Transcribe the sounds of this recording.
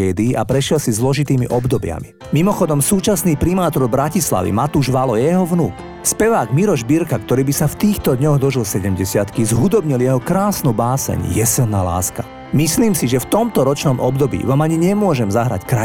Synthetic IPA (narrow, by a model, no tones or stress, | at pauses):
ɛːd̪iːʔapɾɛʃɪɛlsizlɔʒit̪iːmiʔɔbd̪ɔbɪa̰mḭ | mimɔxɔd̪ɔmsuːt͡ʃasniːpɾimaːt̪ɔɾbɾacisla̰ʋḭmat̪uːʒʋalɔjɛɦɔʋnuːk | spɛʋaːɡmiɾɔʒbiɾkakt̪ɔɾiːbisaft̪iːxt̪ɔd̪ɲɔɣd̪ɔʒilsɛɟɛmɟɛsɪat̪kizɦud̪ɔbɲiljɛɦɔkɾaːsnubaːsɛ̰ɲjɛsilˠnaːla̰ːska | misliːmsiʒɛft̪ɔmt̪ɔɾɔt͡ʃnɔmʔɔbd̪ɔbḭːʋaːmaɲiɲɛmʊɔʒɛmzaɦɾa̰ckɾa